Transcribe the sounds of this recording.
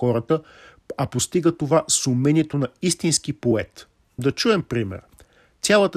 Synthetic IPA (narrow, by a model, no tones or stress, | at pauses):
ɔɾət̪ə | ɐpost̪iɡət̪ovasʊmɛnʲiɛt̪onɐist̪insk̟ipoɛt̪ | d̪ɐt͡ʃuɛmpɾimɛ̰ɾ | sʲjalˠət̪ə